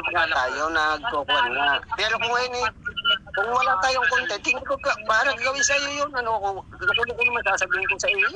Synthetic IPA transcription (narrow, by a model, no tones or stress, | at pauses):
ɡalaːjonɐɡ̚koːkʊnnapɛːɾokʊŋjonɛkʊŋwɐlat̪aːjoŋkont̪ɛt̪ɪŋɪkokpaːɾɐŋkɐɡɐwɪsɐjojonɐnokokɐɡɐt̪ulokonɐmansaːsɐbiːhɪnkʊŋsɐʔiːj